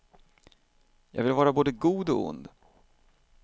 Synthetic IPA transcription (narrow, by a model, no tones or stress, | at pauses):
jɑ̰ːɡvɪlvɑːɾaboːd̪əɡuːd̪ɔ̰ʊ̰nd̪